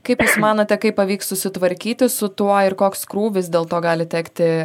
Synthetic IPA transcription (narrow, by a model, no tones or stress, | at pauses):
kɐɪpjuːsmɑːnoːt̪ʲɛkɐɪpɐʋʲiːkssʊsʲɪt̪ʋɐɾʲkʲiːt̪ʲɪsʊt̪uɔɪɾkoːkskɾuːʋʲɪs̬d̪ʲeːlˠt̪oːɡɑːlʲɪt̪ʲæːkt̪ʲɪ